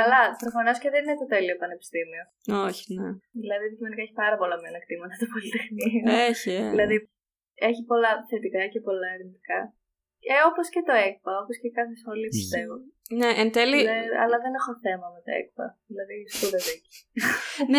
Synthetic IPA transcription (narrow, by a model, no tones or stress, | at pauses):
kɐlɐp̪ɾofonosceðeninet̪o̞t̪e̞lioepɐne̞pi̥st̪imio̞ | oçi̥neðilɐðiðicimo̞nikɐeçi̥pɐɾɐpo̞lɐmonɐkt̪imɐt̪ɐt̪opo̞lit̪e̞xnioeçiðilɐði | e̞çipo̞lɐθe̞t̪ikɐcepo̞lɐeɾint̪ikɐ | eo̞poscet̪o̞ek̚pɐo̞po̞scekɐθesxo̞lipist̪e̞voneʔent̪elieɐ̰lɐðene̞xoθe̞mɐmet̪o̰ḛk̚pɐ̰ðilɐðispuðɐzici̥ | n